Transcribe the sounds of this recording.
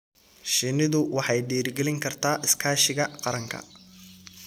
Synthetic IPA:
ʃɪnɪðʊwɑħɑjɖiːrɡɛlɪŋkʰɐrt̪ʰaːʔɪskʰaːʃɪɣɐqɑɾɐŋkʰɐ̰

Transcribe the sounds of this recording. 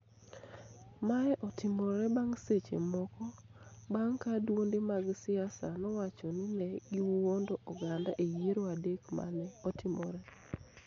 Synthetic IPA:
maɛʔɔtɪmɔɾɛbaŋset͡ʃḛmɔkɔbaŋkadwondemaɡsɪasanɔwat͡ʃɔninɛɡiwuwondoʔɔɡandaʔejeɾoadekma̰lɛɔtʰɪmɔ̰ɾɛ

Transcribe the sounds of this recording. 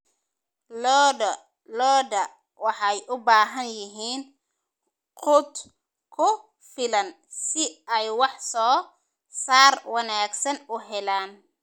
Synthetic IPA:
lɔd | lɔːdɐ | wɑħɑjʔʊbaːɦɐnjɪɦiːn | qʊt̪ | kʰʊ | fɪlɐn | sɪɛjwɑħsɔː | saːrwɑnaːɡsɐnʊɦɛlaːn

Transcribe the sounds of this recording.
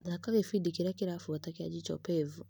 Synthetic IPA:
ðakaɣefidikiɾakiɾafuatakea̰d͡ʒit͡ʃɔ̰pɛvu

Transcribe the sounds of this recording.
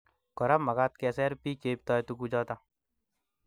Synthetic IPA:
kɔɾamɐɡat̪̚kɛːsɛɾpikeːp̚t̪ɔːjt̪ukud͡ʒɔːt̪a

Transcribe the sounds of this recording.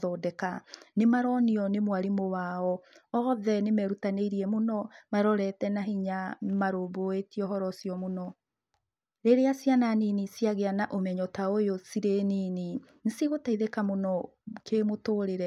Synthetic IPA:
ðɔdɛkanemaɾɔniɔnemwaɾimowaɔɔðɛnemɛɾutaneiɾiɛmonɔmaɾɔɾɛtɛnaɦiɲamaɾoːboetiɔɦɔɾɔsiɔmonɔ | ɾeɾeasjananinisiaɣeanaʔomɛɲɔtaojosiɾeniːni | nsiɣotaiðekamonɔ | kʰemotoːɾeɾɛ

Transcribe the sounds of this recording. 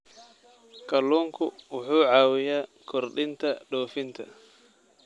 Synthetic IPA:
kɐlɔŋkʊwʊħuːʕawɪjaːkʰɔɾɗɪnt̪ɐɗɔːfɪnt̪ʰɐ̰

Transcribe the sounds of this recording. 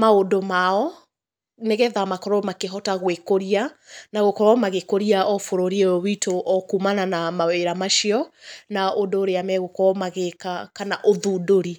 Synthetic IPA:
maodomaɔ | neɣɛðamakɔɾɔmakeɦɔtaɣwekoɾianaɣokɔɔmaɣekoɾiaɔfoɾoɾiɛwitʰoʔɔkumananamaweɾamaʃiɔnaodoːɾeamɛɣokɔɔmaɣekakanaʔoðuːdoɾi

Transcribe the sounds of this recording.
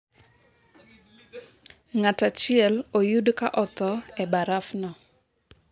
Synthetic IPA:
ŋatat͡ʃɪɛlojudkaʔɔt̪ɔɛbaɾafnɔ

